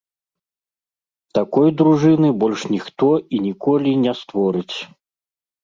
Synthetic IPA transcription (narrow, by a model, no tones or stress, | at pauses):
t̪akɔjd̪ɾuʐɨnɨbɔlʲʂnʲixt̪ɔinʲikɔlʲinʲɛst̪vɔɾɨt͡sʲ